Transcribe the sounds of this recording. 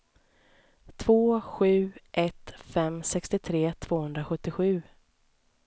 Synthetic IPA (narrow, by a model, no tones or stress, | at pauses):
t̪ʰv̥oːɧʉ̟ːʔɛt̪fɛmsɛkst̪ɪt̪ʰɾeːt̪ʰv̥oːhɵnd̪ɾaɧɵt̪ːɪɧʉ̟ː